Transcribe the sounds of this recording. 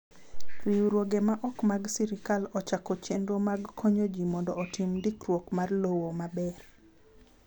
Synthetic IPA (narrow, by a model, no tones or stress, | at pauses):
wiuɾwoɡemaʔɔkmaɡsiɾɪkalɔt͡ʃakɔt͡ʃendomaɡkʰoɲod͡ʒimɔndɔːtimdikrwokmarlowomabɛr